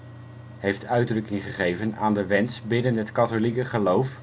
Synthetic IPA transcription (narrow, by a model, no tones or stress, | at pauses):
ɦejftœɥdrɵkɪŋχəχejvəna̰ːndəʋɛnsbɪnənɦətkɑtolikəχəlowf